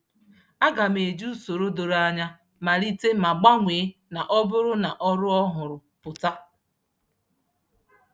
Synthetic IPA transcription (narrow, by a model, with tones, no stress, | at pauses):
a˦ɡa˨m˨e˨d͡ʒu˦so˨ɾo˦do˨ɾa˦ɲa˦ | ma˨ɾi˦te˦ma˨ɡ͡ba˦ŋʷe˨˦na˨ʔɔ˦bʊ˦ɾʊ˦na˨ʔɔ˦ɾʊ˦ɔ˦ɦʊ˨ɾʊ˨pʊ˨ta˦